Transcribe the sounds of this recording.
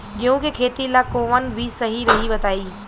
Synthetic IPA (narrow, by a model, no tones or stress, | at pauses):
d͡ʒɐɦũkekʰeːt̪ilakoːʋənbʱisɐɦiɾɐɦibɐt̪aːiː